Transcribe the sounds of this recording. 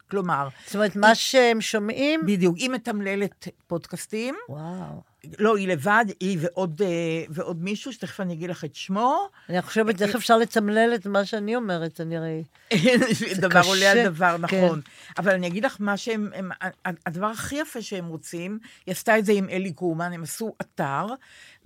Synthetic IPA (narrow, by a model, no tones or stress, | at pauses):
klo̞maʁz̥t̪omeet̪maʃeemʃomʔimbidijukimet̪amle̞letpo̞dkastimwaw | lo̞ile̞vad̪iveʔo̞deveʔo̞dmiʃuʃe̥t̪eχfanijaɡid̪laχet̪ʃmo̞ | niχoʃeveteefʃaʁletamleletmaʃeaniomeʁetaniʁei | ʃvid̪avvaʁolealdavaʁnao̞nʔavalanijaɡid̪laχmaʃeememaaadavaʁaχijafeʃeemʁo̞t͡simjastaetze̞imʔelikumanemasuʔataʁ